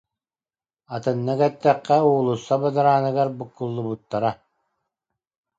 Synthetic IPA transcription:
at̪ɯnːɯkɛt̪ːɛqːɛuːlˠusːabɯd̪ɯɾaːnɯɡaɾbɯkːulˠːubut̪ːaɾa

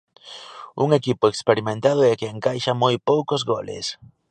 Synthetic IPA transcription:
ṵŋekipʊekspeɾimẽnt̪að̞ʊɛkeeŋkajʃamojpowkʊzɣolɪ̰s

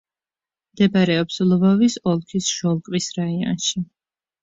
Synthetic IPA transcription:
md̪ɛbaɾɛɔpslˠɔvɔvisɔlˠkʰisʃɔlˠkʼvisɾaiɔ̰nʃi

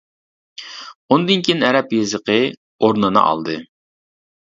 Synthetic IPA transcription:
ond̪ɨnkʲʰinɛɾɛpjezɨqə | oɾnɨnɨ̰ʔɑ̰lˠd̪ɨ

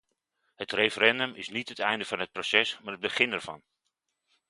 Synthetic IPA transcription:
hətrejfəɾɛndəmɪsnitətɛjndəvɑnɦət̚prosɛsmaːɹəd̚bəχɪnɛɹv̥ɑ̰n

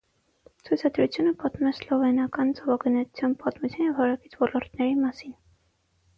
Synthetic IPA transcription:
t͡sʰujt͡sʰɑd̪ɾut͡sʰjunəpɑt̪umɛslɔvɛnɑkɑnt͡sɔvɑɡənɛt̪u̥t͡sʰjɑnpɑt̪mut͡sʰjɑnjɛvhɑɾɑkit͡sʰvɔlɔɾt̪nɛɾimɑsin

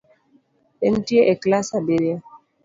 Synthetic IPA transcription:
ɛn̩tieʔeklasabeɾea

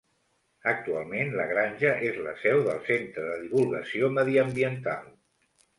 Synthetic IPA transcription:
ək̚t̪ualˠmenləɣɾanʲʒəʔezlə̰sɛwðəlˠsent̪ɾəðəðiβulˠɣə̰sioməðiəmbiənt̪a̰lˠ

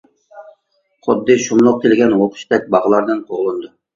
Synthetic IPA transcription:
χʰʊd̪ːɨʃumlˠʊq̚t̪ʰelɪɡʲɛnwoqʰʊ̥ʃt̪ɛk̚ʲbɑʁəlˠɑɾd̪ɨnqʰoʁlˠɨnd̪u

